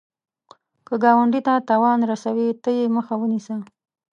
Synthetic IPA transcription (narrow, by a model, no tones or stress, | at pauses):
kəɡɑwaɳɖit̪at̪ɑwɑnɾasawit̪əjeməxawənisə